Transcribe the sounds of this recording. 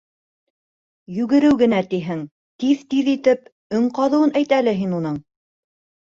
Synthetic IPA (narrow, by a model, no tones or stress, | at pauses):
jʉɡɘ̆ɾɘwɡɘ̆næt̪iɦɘŋ | t̪iðt̪iðit̪ɘp | ɵŋqɑðɤ̆wɤnæjt̪ælɘɦinunɤɴ